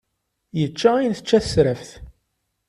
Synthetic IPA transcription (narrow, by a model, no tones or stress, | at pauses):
jət͡ʃːæijnθət͡ʃːæθə̥sɾəfθ